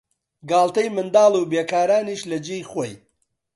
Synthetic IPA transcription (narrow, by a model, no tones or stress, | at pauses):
ɡaːlˠt̪ɐjmɨnd̪aːlˠuːbeːkaːɾaːniːʃlɐd͡ʒijχoj